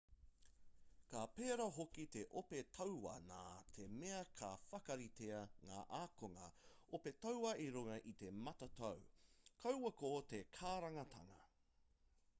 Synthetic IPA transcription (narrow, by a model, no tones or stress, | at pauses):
kaːpeːɾɐɦokit̪e̞ʔopetʰɐwwɐ̰na̰ːt̪ʰe̞meɐkʰafɐkɐɾit̪eɐŋa̰ːʔaːkoŋɐ̰opetɐwwɐʔiɾuŋɐʔit̪e̞mɐtɐt̪ɐwkʰɐwwɐkoːt̪ekʰaːɾɐŋɐt̪ʰɐ̰ŋɐ̰